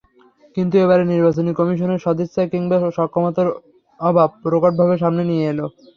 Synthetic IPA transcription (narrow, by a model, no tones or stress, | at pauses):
kint̪ueβaɾeniɾbat͡ɕonikɔmiʃ̬oneɾʃɔd̪isːakiŋbaoʃɔkʰːomot̪oɾ | ɔbʱab̚pɾokoʈ̚bʱabeʃ̬amnenijeelo